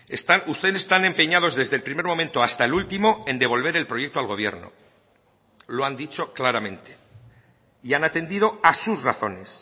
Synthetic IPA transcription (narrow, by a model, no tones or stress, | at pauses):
est̪anust̪e̞ðsest̪ane̞mpe̞ɲað̞o̞zðe̞zðelpɾime̞ɾmõ̞mẽ̞nt̪oast̪aelult̪imo̞e̞nd̪e̞β̞o̞lβ̞e̞ɾe̞lpɾo̞jek̚t̪o̞alɣ̞o̞β̞je̞̰ɾno̞̰ | lo̞and̪it͡ʃo̞klaɾamẽ̞nt̪e̞̥ | ianat̪e̞nd̪ið̞o̞asusraθo̞̰ne̞s